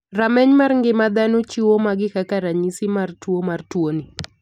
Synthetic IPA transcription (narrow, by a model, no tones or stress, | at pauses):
ramɛɲmarŋɡɪmad̪anot͡ʃiwomaɡɪkakaɾaɲisimartwomartwoni